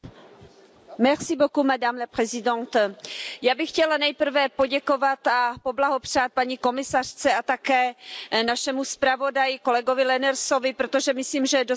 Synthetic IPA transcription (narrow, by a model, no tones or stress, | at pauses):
mɛʁsɪbokumɛdaːmlɛpr̥ɛzɪdont̪jaːbɪxcɛlanɛjpr̩vɛpo̞ɟɛko̞vat̪apo̞blaɦo̞pr̝̥aːt̪̚paɲiko̞mɪsar̝̥t͡sɛat̪akɛːnaʃɛmuspɾavo̞dajɪko̞lɛɡovɪlɛnɛɾso̞vɪpɾot̪o̞ʒɛmɪsliːmʒɛdo